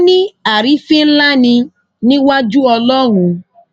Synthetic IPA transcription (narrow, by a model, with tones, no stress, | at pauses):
nĩ˦a˨ɾi˨˦fi˦n̩˦la˦nĩ˧ | nĩ˦wa˦d͡ʒu˦ɔ˧lɔ˦ɣũ˧